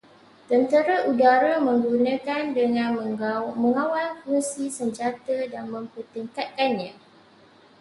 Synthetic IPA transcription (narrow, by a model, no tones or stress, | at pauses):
t̪ənt̪əɾaʔudaɾamə̃ŋɡunə̃kandəŋãnməŋãwalkunsisəɲd͡ʒat̪ədanmə̃mpərt̪iŋkat̪̚kanɲã